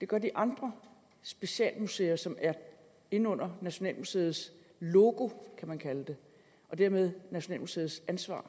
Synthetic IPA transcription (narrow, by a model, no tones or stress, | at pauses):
d̥e̝ɡ̥ɶɐ̰d̥iʔɑ̈nd̥ʁɐ | sb̥e̝ɕɛ̰ːlmuse̝̰ːɐsɒ̽mæɐ | e̝nɔ̽n̰ɐnæɕo̝nɛ̰ːlmuse̝ːð̩ˠs | lo̝ːɡ̥o̝kʰæmænkʰæləd̥e̝ | ʔɒ̽d̥æɐ̰með̞ˠnæɕo̝nɛ̰ːlmuse̝ːð̞̩ˠsænsʋɑ̰̈ː